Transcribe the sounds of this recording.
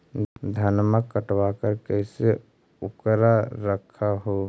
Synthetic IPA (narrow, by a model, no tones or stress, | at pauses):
d̪ʱənməkːəʈwakəɾkəse | ukɾaɾəkʰːaɦo